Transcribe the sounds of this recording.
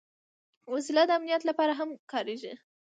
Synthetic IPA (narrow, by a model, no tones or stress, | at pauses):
wasilad̪əamnijat̪lapɑɾaɦamkɑɾeʒi